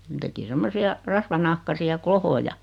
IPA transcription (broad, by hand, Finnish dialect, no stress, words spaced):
ne teki semːosiɑ rɑsʋɑnɑhkɑsiɑ klohojɑ